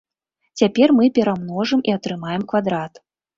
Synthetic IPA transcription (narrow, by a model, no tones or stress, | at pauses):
t͡sʲapʲɛrmɨpʲɛɾamnɔʐɨmiɐt̪ɾɨmajɛmkvad̪ɾat̪